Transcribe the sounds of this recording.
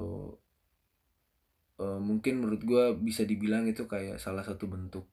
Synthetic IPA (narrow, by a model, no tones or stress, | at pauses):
əːmuŋkɪnməɾʊt̪̚ɡuabisadibilaŋit̪ukaja̰ʔsalahsat̪ubənt̪ʊk̚